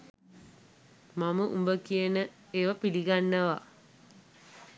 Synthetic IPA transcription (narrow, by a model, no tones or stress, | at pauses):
maməʔumbəkijənə | eːʋapiliɡanːəʋa̰